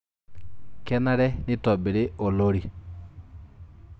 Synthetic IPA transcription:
kɛ˦na˦ɾɛ˦ne˦tɔ˨be˨ɾe˦ʔo˨lo˦ɾi˨

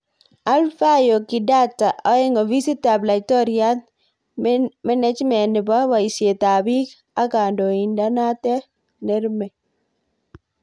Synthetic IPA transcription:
a˦lfa˦jo˨kɪ˨da˦tːa˨ʔɔ˨˦ɛ˦ŋɔ˨vi˦si˦ta˨bla˨tɔ˦ɾja˦t̚ | mɛ˦nɛ˦t͡ʃmɛ˨nɪ˨ba˦wa˨i˨se˨t̪a˨bi˦k | a˦ka˨ndo˨i˨nda˦na˦t̪ɛ˦ | ne˦ɾme˨

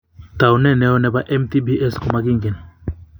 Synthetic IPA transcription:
t̪a˨wnɛ˦nɛ˦ɔ˦nɛ˨ba˦ʔɛ˦mt̪i˦bi˦ʔɛ˦skɔma˦ɡi˦ŋɡi˨n

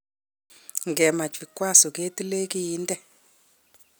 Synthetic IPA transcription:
ŋɡɛ˨ma˨t͡ʃʰi˨kwa˦sɔ˨ke˦ti˦le˦ki˦jiː˦ntʼɛ˨

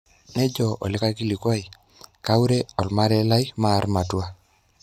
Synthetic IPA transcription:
nɛ˦d͡ʒɔ˨ʔɔ̰˨lɪ˦ka˦ki˦li˨kwa˦i˨ | ka˦wɾɛ˦ɔ˨lma˦ɾɛ˦la˦jmaː˦ɾma˨twa˦

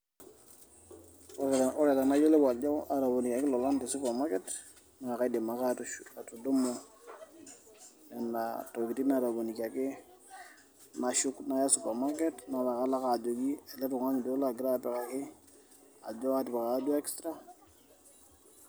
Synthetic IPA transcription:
ɔ˦ɾe˨ta˨na˦jo˦le˦wa˨ɟo˦wa˨ɾa˨bo˨ni˨ka˨kɪ˦lɔ˨la˦nti˨su˦pa˨ma˦ke˦t | na˨ŋa˨ka˦i˦de˨ma˨ka˦tatu˨do˦mo˦ | nɛ˨nato˨ki˨ti˦na˨ɾa˨bo˨ni˨ka˨kɪ˦ | na˨ʃu˦kna˦ja˦su˨pa˨ma˦ke˦tna˨la˨ka˦la˦kaː˨d͡ʒo˨ɡi˦e˨le˦tu˨ŋa˦ɲi˨di˦la˦˨ɡi˦ɾa˦pɛ˨ka˨kɪ˦ | a̰˨ɟo˦wa˦ti˨pɛ˨ka˨˦du˦e˦kstɾa˦

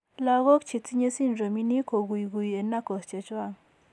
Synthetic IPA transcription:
la˦ɣo˦k̚t͡ʃʰi˨t͡si˦ɲə˦si˦˨nɾo˨mi˦ni˦kʰo˨ɡu˨jɡu˨je˨nːa˦kɔ˨st͡ʃe˨t͡ʃwa˦˨ŋ

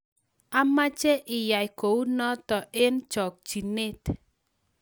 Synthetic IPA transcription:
a˦ma˦t͡ʃɛ˦ʔɪ˨ja˨jko˨u˦nɔ˦t̪ɔ˨ʔɪ˦nd͡ʒɔ˨k̚d͡ʒi˨ne˦˨t

